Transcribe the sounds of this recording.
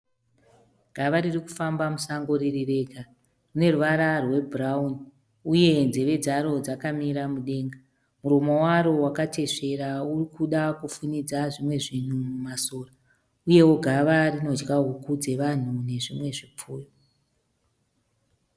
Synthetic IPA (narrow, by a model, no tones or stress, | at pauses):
ɡ̥ʱaʋaɾiriku̥fambamusaŋɡo̞ɾirire̞ːɡa | rune̞ruʋaɾarwe̞bʱrauni | uje̞nzeʋe̞d͡zaɾo̞d͡zakamiɾamuɗe̞ːŋɡa | muɾomowaɾo̞wakatʰe̞ʂe̞ɾaurikuɗakufunid͡zaʐimwe̞ʐin̤umumasoːra | uje̞wo̞ɡʱaʋarino̞d͡ʒɡaɦukud͡ze̞ʋan̤une̞ʐimwe̞ʐip͡fuːjo